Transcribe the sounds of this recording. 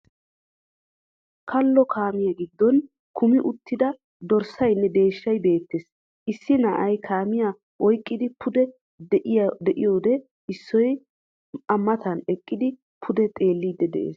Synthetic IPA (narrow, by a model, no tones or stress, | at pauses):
kʰɐlːɔkʰaːmɪjɐɡɪd̪ːɔn | kʰʊmɪʔʊt̪ːɪd̪ɐ | d̪ɔɾsɐjnːɛd̪e̞ːʃːɐjbe̞ːt̪ːeːs | ʔɪsːɪnɐʔɐjkʰaːmɪja | ʔɔjkʼːɪd̪ɪpʰʊd̪ɛ | ʔɪjd̪ɛʔɪjo̞ːd̪ɛ | ɪsːɔj | ɐmːɐt̪ɐnɛkʼːɪd̪ɪ | pʰʊd̪ɛt̪ʼe̞ːlːiːd̪ːɛd̪ɛ̰ʔḛːs